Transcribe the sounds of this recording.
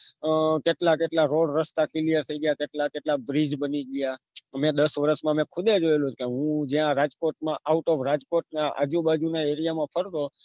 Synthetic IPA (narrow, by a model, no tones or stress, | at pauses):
keʈlakeʈlaɾoɽɾəst̪akɪlijəɾt̪ʰəiɡəjakeʈlakeʈlabɾid͡ʒbəniɡəja | mẽd̪əsʋəɾəsmãmẽkʰʊd̪ed͡ʒoelũt͡ʃkeɦũd͡ʒãɾad͡ʒkoʈ̚mãʔauʈɔʋɾad͡ʒkoʈ̚naa̰d͡ʒũbad͡ʒunaeɾijamãpʰəɾt̪o